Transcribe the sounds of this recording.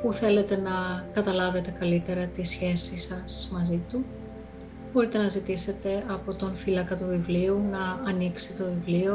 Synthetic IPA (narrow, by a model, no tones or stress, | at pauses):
puθe̞le̞t̪e̞nɐkɐt̪ɐlɐve̞t̪e̞kɐlit̪e̞ɾɐt̪isçe̞sisɐsmɐzit̪u | bo̞ɾit̪e̞nɐzit̪ise̞t̪e̞ɐpo̞t̪onfilɐkɐt̪uvivliunɐːniksit̪o̞vivlio̞